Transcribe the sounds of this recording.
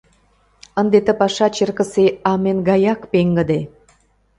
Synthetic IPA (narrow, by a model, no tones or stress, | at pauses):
ə̆nd̪et̪ə̆pɑʃɑt͡ɕerkə̆seɑmenɡɑjɑkpeŋɡə̆d̪e